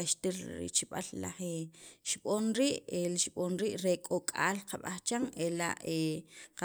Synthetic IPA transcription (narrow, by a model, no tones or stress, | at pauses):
aʃt̪iɾɾḭt͡ʃiɓa̰lla̰χeʃɓonɾiːʔelʃɓonɾiːʔɾekʼokʼa̰ːlqʰaɓaχt͡ʃaŋela̰ʔeqa